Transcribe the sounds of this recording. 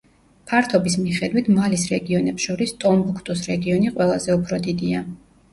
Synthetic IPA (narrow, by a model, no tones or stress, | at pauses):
pʰaɾt̪ʰɔbismiχɛd̪wit̪ʰmalisɾɛɡiɔnɛpsʃɔɾist̪ʼɔmbukʰt̪ʼusɾɛɡiɔniqʼwɛlˠazɛupʰɾɔd̪id̪ia